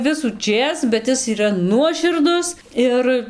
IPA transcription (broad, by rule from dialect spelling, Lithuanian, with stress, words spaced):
ʋʲɪsuːˈt͡ʃʲeːs bʲɛt ˈɪs iːˈrɐ ˈnuɔʃʲɪrdʊs ˈɪr